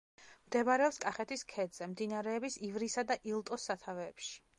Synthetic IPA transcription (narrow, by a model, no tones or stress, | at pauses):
md̪ɛvaɾɛɔpskʼaχɛt̪ʰiskʰɛd̪z̥ɛmd̪inaɾɛːbisivɾisad̪aʔilˠt̪ʼɔsːat̪ʰavɛːpʃi̥